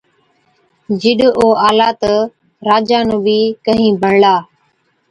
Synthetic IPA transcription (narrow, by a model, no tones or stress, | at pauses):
d͡ʒɪɗoːʔaːlaːt̪ə | ɾaːd͡ʒaːnũːbiːkəɦĩːbʱəɳlaː